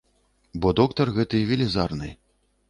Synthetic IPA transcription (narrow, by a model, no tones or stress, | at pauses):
bɔd̪ɔkt̪ɐrɣɛt̪ɨjvʲilʲizarnɨ̰j